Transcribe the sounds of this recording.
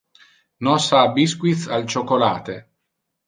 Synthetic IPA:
nɔsabiskwit̪θalt͡ʃokːolaːt̪e

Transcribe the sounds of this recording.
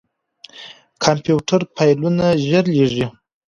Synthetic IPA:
kʰampjuʈaɾpʰajlunaʒəɾleʐi

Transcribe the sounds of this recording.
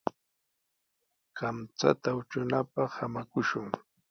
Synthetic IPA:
kamt͡sa̰t̪aʊt͡ʃʊnapɑχhamakʊʃʊŋ

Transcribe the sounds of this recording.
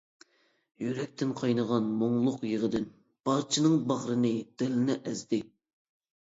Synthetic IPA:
jyɾɛk̚ʲt̪ʰɪnqʰɑjnəʁɑnmoŋlˠʊqjəʁəd̪ɪn | b̥ɑɾt͡ʃʰinɨŋbɑχɾɨnɨd̪̥ɪlɪnɪʔɛzd̪ɪ

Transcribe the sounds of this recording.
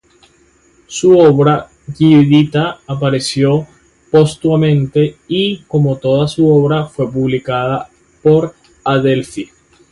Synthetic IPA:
suoβɾa | ɣiðit̪aːpaɾe̞sjo̞ | po̞st̪wamẽ̞nt̪e̞iko̞mo̞t̪o̞ðasuo̞βɾafwe̞puβlikaða | po̞ɾ | aðelfi

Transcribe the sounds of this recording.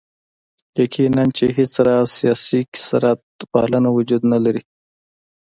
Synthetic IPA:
jakʰinant͡ʃeɦɪt͡sɾɑsijɑsiksaɾat̪̚pɑ̰lanawʊd͡ʒud̪nalaɾi

